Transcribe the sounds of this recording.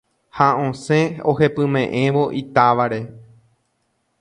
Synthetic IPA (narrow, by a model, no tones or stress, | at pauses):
haõsẽohe̞pɨ̃mẽ̞ʔẽ̞ʋoʔit̪aʋaɾe̞